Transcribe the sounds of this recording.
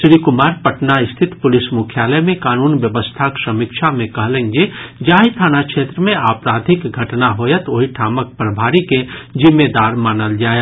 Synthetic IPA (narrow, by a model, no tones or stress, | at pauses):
sɾikʊmaːɾpəʈnaɪst̪ʰɪt̪pʊlɪsmʊkʰjaːləmẽkaːnuːnʋjəʋəst̪ʰaksəmɪkʃʰamẽkɐɦlẽːŋɡed͡ʒaːɦit̪ʰaːnakʃeːt̪ɾəmẽaːpɾaːd̪ʱɪkɡʱɐʈnaɦoːjət̪oːɦiʈʰaːmək̚pɾəbʱaːɾiked͡ʒɪmːed̪aːɾmaːnəld͡ʒaːje